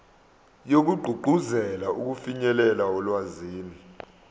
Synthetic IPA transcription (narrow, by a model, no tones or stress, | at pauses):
jok̬uɡ͡ǃʱuɡ͡ǃʱuzɛlauk̬ufiɲɛlɛlaɔlwaziːni